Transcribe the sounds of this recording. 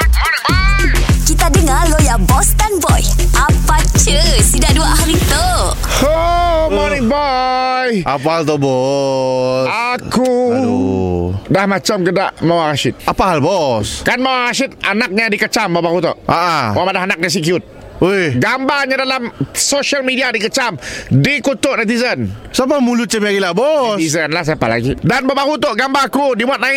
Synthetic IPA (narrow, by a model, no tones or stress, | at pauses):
kit̪adəŋalojabɔst̪anbɔj | ʔapat͡ʃəsidaʔduahaɾit̪ə | homɔnɪŋbɔjapaɦalt̪ɔbɔ | saku | dahmat͡ʃamkədaʔmawarasɪt̪̚apaɦalbɔskanmawaɾasit̪̚anak̚ɲadikət͡ʃambabakut̪ɔ̰ʔʔaʔawamadaɦanak̚nas̬ikjut̪̚ | oɡambarɲadalamsoʃalmidiadikət͡ʃamdikut̪ʊʔnat̪̬izənsap̬amulut͡ʃəbiaɡilabɔsizənlahs̬apa̰la̰ɡḭdanbabaɦut̪oʔɡambaakudimuat̪̚naɪ